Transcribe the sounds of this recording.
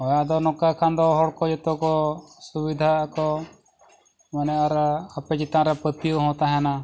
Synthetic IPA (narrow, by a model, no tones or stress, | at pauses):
ɔjaʔd̪ɔnɔkakʰand̪ɔɦɔɽkɔd͡ʒɛt̪ɔkɔsubid̪ʱaakɔ | manɛʔaɾaapɛd͡ʒit̪ãɾapət̪ijuɦɔ̃t̪aɦɛna